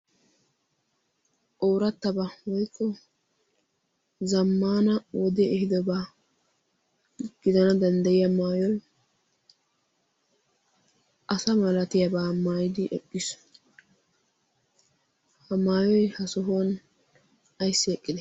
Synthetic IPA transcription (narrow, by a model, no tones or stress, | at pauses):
oːɾɐt̪ːɐbɐwɔjkʰʼːɔ | zɐmːaːnɐwɔd̪ɛɛhɪd̪ɔbaː | ɡ̥ɪd̪ɐnɐd̪ɐnd̪ɐjɪjɐmaːjɔj | ʔɐsɐmɐlɐt̪ɪjɐbaːmaːjɪd̪ɪʔɛkʼːɪs | hɐmaːjɔjhɐsɔɦon | ɐjsːɪɛkʼːɪd̪ɛ